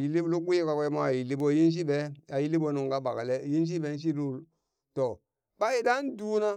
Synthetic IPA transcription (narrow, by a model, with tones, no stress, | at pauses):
ji˨li˦blu˦ku˦je˦ka˨ke˦ma˦˨ji˨li˦bo˦˨ji˦n˦s̬i˦be˦a˨ji˦li˦bo˦˨nu˨ŋ˨ɡa˦ba˨ka˨le˦ji˦n˦s̬i˦be˨˦n̩˦ʃ̬i˦ɾu˦˨l | to˨ | ba˦ji˨da˦n˦du˦na˦